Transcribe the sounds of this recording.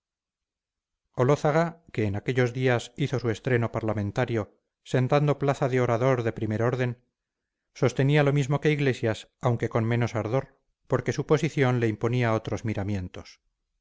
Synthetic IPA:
o̞loθaɣake̞ːnake̞ʎo̞zðiasiθo̞sue̞st̪ɾe̞no̞paɾlamẽnt̪aɾjo̞ | se̞nt̪and̪o̞plaθaðeo̞ɾaðo̞ɾðe̞pɾime̞ɾo̞ɾðe̞n | so̞st̪e̞nialo̞mizmo̞ke̞iɣle̞sjasawŋke̞ko̞nmeno̞saɾðo̞ɾ | po̞ɾke̞supo̞siθjo̞nle̞impo̞niao̞t̪ɾo̞zmiɾamje̞nt̪o̞s

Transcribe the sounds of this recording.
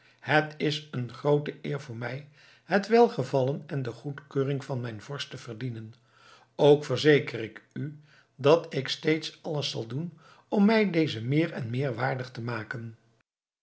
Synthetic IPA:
hətɪsənχrowtəʔɪːɹvʊːɹmɛj | ɦətʋɛlˠχəvɑlənɛndəχutkøːrɪŋvɑnmɛjnv̥ɔɹstəv̥ərdinən | owkfəɹzejkərɪky | dɑtɪkstejtsɑləsɑlˠdun | ɔmːɛjdejzəmɪːɹɛnmɪːɹʋaːɹdəχtəmaːkən

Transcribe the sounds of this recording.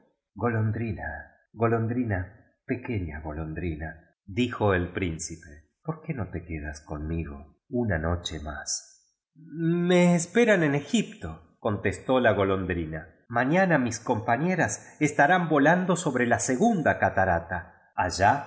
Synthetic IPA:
ɡo̞lond̪ɾina | ɣo̞lo̞nd̪ɾina | pe̞ke̞ɲa̰ɣo̞lo̞nd̪ɾina | ðixo̞elpɾinsipe | po̞ɾke̞no̞t̪e̞keða̰sko̞nmiɣo̰ | unano̞t͡ʃema̰s | meːspe̞ɾanene̞xip̚t̪o̞ | ko̞nt̪est̪o̞laɣo̞lo̞nd̪ɾina | maɲanamisko̞mpaɲe̞ɾasest̪aɾambo̞land̪o̞so̞βɾe̞lase̞ɣund̪akat̪aɾat̪aː | ʒa

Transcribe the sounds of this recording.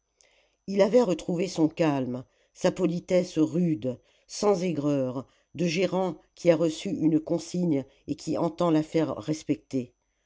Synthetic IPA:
ilavɛʁət̪χuvesɔ̃kalm | sapɔlit̪ɛsʁyd̪ | sɑ̃zɛɡʁœʁ | d̪əʒeʁɑ̃kʲʰiaʁəsyʔynkɔ̃siɲ | ekʲʰiɑ̃t̪ɑ̃lafɛʁːɛspɛk̚t̪e

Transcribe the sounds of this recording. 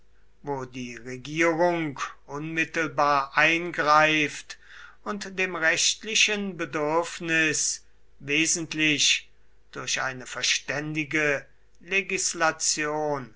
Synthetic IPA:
voːdiːʁeɡiːʁʊŋkʔʊnmɪtl̩baːɐʔaɪnɡʁaɪft | ʊntd̥eːmʁɛʃtlɪʃənbədʏɐfnɪs | veːzn̩tlɪʃ | d̥ʊɐɕʔa̰ɪnəfɛɐʃtɛndɪɡə | leɡislat͡sjoːn

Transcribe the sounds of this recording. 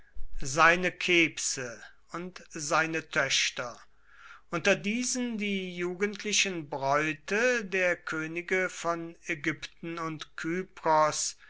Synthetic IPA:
zaɪnəkʰeːpsə | ʔʊntzaɪnətʰœɕtɐ | ʔʊntɐdiːzəndiːjuːɡəntʰlɪʃənbʁɔʏtədeːɐkʰøːnɪɡəfɔnɛɡʏptn̩ʊntkʰyːpʁɔs

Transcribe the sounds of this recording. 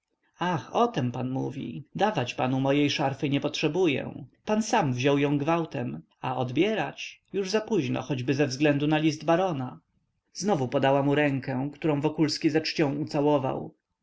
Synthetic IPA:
axɔt̪ɛmpanmṵvʲḭd̪avat͡ɕpa̰numɔjejʂaɾfɘɲɛpɔtʂɛbujɛ̰̃pansamvʑɔwjɔ̃w̃ɡvawt̪ɛm | aɔd̪bʲjɛɾat͡ɕjuʐzapuʑnɔ̰xɔd͡ʑbɘzɛvzɡlɛnd̪unalʲizd̪baɾɔna | znɔvupɔd̪awamuɾɛŋkɛ̃kt̪uɾɔ̃w̃vɔkulskʲizat͡ʂt͡ɕɔ̃w̃ut̪sawɔva̰w

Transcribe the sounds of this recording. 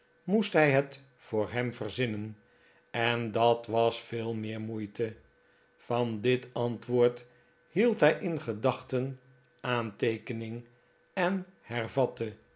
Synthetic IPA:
mustɦɛjɦət | fʊːɹɦɛmvərzɪnən | ɛndɑtʋɑsfɪːlˠmɪːɹmujtə | v̥ɑndɪtɑntʋʊːɹt | hilˠtɦɛjʔɪnχədɑχtən | ʔaːntejkənɪŋ | ɛnhɛrvɑtə

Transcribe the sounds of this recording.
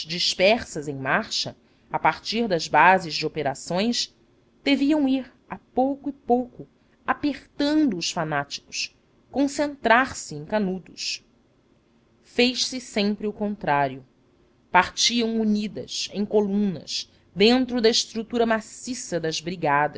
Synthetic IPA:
d͡ʒiʃpɛɾsɐzẽj̃maɾʃɐ̰ | apaɾt͡ʃiɾd̪ɐzbazɪzd͡ʒɪopeɾa̰sõj̃s | d̪̥eviɐ̃w̃iɾ | apowkʊɪpowkʊ | apeɾt̪ɐ̃nd̪ʊːʃfanat͡ʃi̥kʊ̥ʃ | kõsẽnt̪ɾaɾsɪẽj̃kanud̪ʊʃ | fejʃsɪsẽmpɾɪʊkõnt̪ɾaɾjʊ | paɾt͡ʃiɐ̃w̃uɲid̪ɐ̰sḛ̃j̃kolũnɐ̰s | d̪ẽnt̪ɾʊd̪ɐɪʃt̪ɾut̪uɾɐmasisɐd̪ɐzbɾiɡad̪ɐ

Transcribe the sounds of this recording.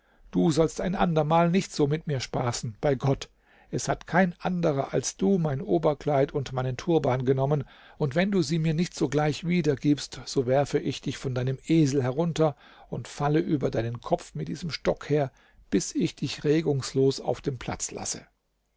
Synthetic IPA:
d̥uːzɔlstaɪnʔa̰ndɐmaːlnɪçtz̥oːmɪtmiːɐʃpaːsn̩b̥aɪɡɔt | ʔɛshatkʰaɪnʔandəʁɐʔa̰lsd̥uːmaɪnʔoːbɐkl̥aɪtʰʊntmaɪnəntʰuːɐbaːnɡənɔmən | ʊntv̥ɛnduːziːmiːɐnɪçtz̥oːɡlaɪçviːdɐɡiːpstz̥oːvɛɐfəʔɪçd̥ɪçfɔndaɪnəmʔeːzl̩ɦɛʁʊntɐ | ʊntfaləʔyːbɐdaɪnənkʰɔp͡fmɪt̚d̥iːzəmʃtɔkheːɐ | b̥ɪsɪçd̥ɪçʁeːɡʊŋsloːsa̰ʊfd̥eːmpʰl̥a̰t͡sla̰sə̰

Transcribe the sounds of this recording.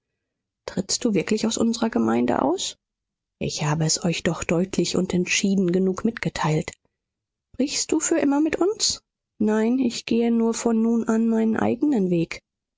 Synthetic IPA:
tʁ̥ɪt͡st̚d̥uːvɪɐklɪçaʊsʔʊnzəʁɐɡəma̰ɪndə̰ʔa̰ʊs | ʔɪ̰çhaːbəɛsɔʏçd̥ɔχd̥ɔʏtʰlɪçʊ̰ntɛntʃiːdn̩ɡənuːkmɪtɡ̥ətʰaɪlt | ʃpʁ̥ɪçstd̥uːfyːɐʔɪmɐmɪtʔʊns | naɪnɪçɡ̥eːənuːɐfɔnːuːnʔanmaɪnənʔa̰ɪɡənənveːk

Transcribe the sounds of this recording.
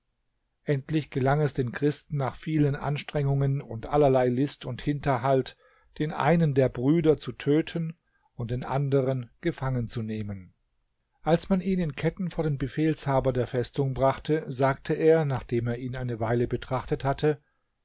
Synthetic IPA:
ʔɛntlɪçɡ̥əlaŋɛsd̥eːnkʁ̥ɪstn̩ːaːχfiːlənʔa̰nʃtʁ̥ɛŋʊŋənʊntʔalɐlaɪlɪstʊnthɪntɐɦalt | d̥eːnʔa̰ɪnəndeːɐbʁyːdɐt͡sutʰøːtʰən | ʊnt̚d̥eːnʔandəʁənɡ̥əfaŋənt͡suneːmən | ʔalsmanʔiːnɪnkʰɛtn̩foːɐdeːnbəfeːlshaːbɐdeːɐfɛstʊŋbʁaχtəzaːk̚tʰəʔeːɐnaːχd̥eːmeːɐiːnaɪnəvaɪləbətʁ̥aχtəthatʰə

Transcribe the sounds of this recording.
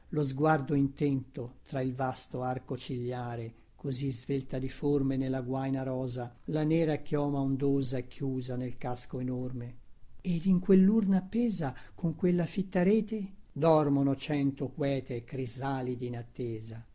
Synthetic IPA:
lozɡward̪oint̪ɛnt̪ot̪ɾailvast̪oarkot͡ʃiʎːaːɾe | kʰozizvelt̪ad̪iformenelːaɡwajnaɾɔːzalanɛːɾakjɔːmaond̪oːzaekʰːjuːzanelkaskoenormeed̪iŋkwelːurnapːɛːzakoŋkwelːafit̪ːaɾɛːt̪ed̪ɔrmonot͡ʃɛnt̪okwɛːt̪ekɾizaːlid̪iːnat̪ːeːza

